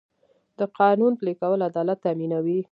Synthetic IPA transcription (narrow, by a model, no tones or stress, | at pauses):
d̪̥əqɑnunplekawəlad̪ɑlat̪ːaminawi